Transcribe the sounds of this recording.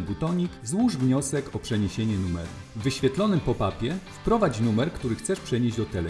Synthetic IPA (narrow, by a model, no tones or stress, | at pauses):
but̪ɔɲikzwuʐvɲɔsɛkɔpʂɛɲeɕeɲɛnumɛɾṵ | vːɘɕfʲɛt̪lɔnɘmpɔpapʲjɛfpɾɔvat͡ɕnumɛɾkt̪uɾɘxt̪sɛʂpʂɛɲeʑd͡ʑd̪ɔt̪ɛlɛ